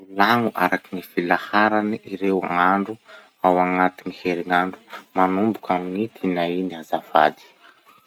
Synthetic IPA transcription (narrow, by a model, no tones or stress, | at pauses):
ulaŋuʔa̰ɾakinifilahaɾaniiɾewŋaɳɖ͡ʐu | awaŋat̪iniheɾiŋaɳɖ͡ʐu̥manumbukaminit̪ʰinainiazava̰d̪i̥